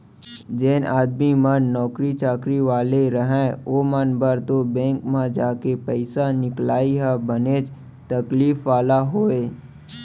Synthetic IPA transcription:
d͡ʒeːnaːd̪mimənːɔːkɾit͡ʃaːkɾiʋaːleɾəɦɛ̃oːmənbəɾt̪obɛ̃ːŋkmãd͡ʒaːkepəɪsanɪklaːiɦɛbəneːd͡ʒ | t̪əkliːfʋaːlaɦoːeː

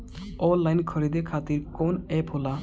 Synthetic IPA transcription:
ɔlːajnkʰɔɾid̪ekʰat̪iɾkonɛpɦola

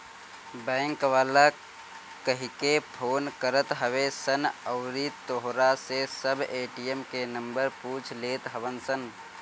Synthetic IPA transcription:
bɛ̃ːŋkʋaːla | kəɦikepʰoːnkəɾət̪ɦəʋesənəʊɾit̪oɦɾasesəbʱeːʈijemkenəmbəɾpuːt͡ʃʰleːt̪ɦəbənsən

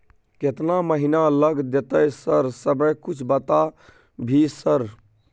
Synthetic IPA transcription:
ket̪naməɦinaləɡd̪et̪əjsəɾsəbəjkut͡ʃʰbət̪a | bʱisəɾ

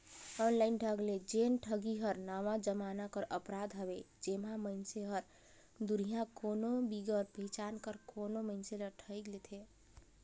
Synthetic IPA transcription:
ɔnlainɖʱəɡled͡ʒenʈʰəɡiɦəɾnamad͡ʒəmanakəɾʔəpɾad̪ɦəβe | d͡ʒemaməɪnseɦəɾ | d̪uɾijãkonobiɡəɾpɦit͡ʃankəɾkonoməɪnseləʈʰəjɡlet̪ʰe

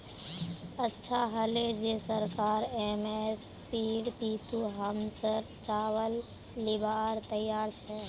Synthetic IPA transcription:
ətːʃʰaɦəled͡ʒesəɾkaːɾemes | piːɖpiːt̪uɦəmsəɾt͡ʃaːwəlː | ɪbʱaːɾt̪əjːaːɾt͡ʃʰɛː

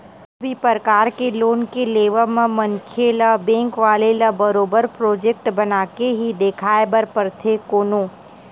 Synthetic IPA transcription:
ɐbʱipəɾəkaːɾkeloːnkeleːʋəmẽmɐ̃ŋkʰelabɛ̃ːŋkʋaːlelɐbɐɾoːbəɾpɾoːd͡ʒek̚ʈbɐnaːkeɦid̪eːkʰaːebɐɾpəɾt̪ʰekoːnoː

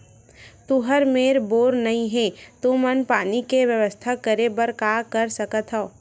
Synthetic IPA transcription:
t̪uɦəɾmeːɾboːɾnɐɦĩɦɛ̃ːt̪umənpaːnikeʋjəʋəst̪ʰakəɾebəɾkaːkəɾsɐkət̪ɦɛo

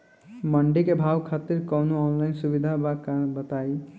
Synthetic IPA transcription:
məɳɖikebʱaʋkʰat̪iɾkɔwnoɔːnlaɪnsubid̪ʱaakbət̪ai

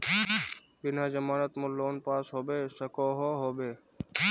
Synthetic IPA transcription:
bɪnãːd͡ʒəmaːnət̪mõːloːnpaːsɦoːbeːsəkoːɦoːɦoːbeː

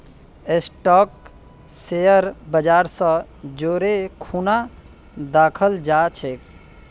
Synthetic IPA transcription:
esʈɔːk | sejəɾbəd͡ʒaːɾsə̃d͡ʒoːɾekʰuːna | d̪aːkʰəld͡ʒat͡ʃʰek

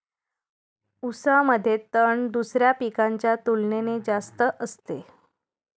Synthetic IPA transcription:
usaməd̪ʱːjet̪əɳd̪usɾjapikaɲt͡ɕjat̪ulnened͡ʑast̪əʔəst̪e

